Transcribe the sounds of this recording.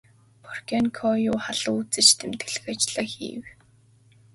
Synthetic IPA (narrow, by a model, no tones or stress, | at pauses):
pʰɔrkʲankʰɔjʊːχaɮʊ̆ːut͡sɘ̆t͡ɕt̪ʰemt̪ɘɡɘ̆ɮɘ̆xat͡ɕɪɮaːxḭːw